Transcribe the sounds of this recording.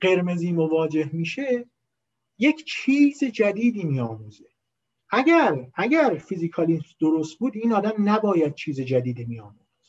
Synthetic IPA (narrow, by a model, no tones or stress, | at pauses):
ɢe̞ɾme̞ziːmovɒːd͡ʒe̞hmiːʃe | je̞cʰt͡ʃʰiːzed͡ʒæd̪iːd̪iːmiːɒːmuːze | ʔæɟæɾæɟæɾfizikʰɒːlisd̪oɾost̪̚buːd̪iːnɒːd̪æmnæbɒːjæd̪̚t͡ʃʰiːzed͡ʒæd̪iːd̪iːmiɒːmuzz̥